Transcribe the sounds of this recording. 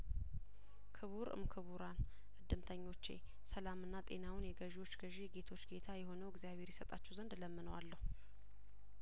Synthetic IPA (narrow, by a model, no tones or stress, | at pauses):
kʰɨβuɾɨ̰mkʰɨβuɾan | ɨd̪ːɨmt̪ʰəɲːo̞t͡ʃːḛ | səlamɨnːat̪ʼe̞̰nawɨnjɛɡəʒwo̞t͡ʃːɡ̥əʒiɡe̞t̪ʰo̞t͡ʃːɡe̞t̪ʰajɛho̞nəwɨɡzijaβhe̞ɾjɛsət̪ʼat͡ʃːɛwzənd̪ləmːɨnəwalːəhu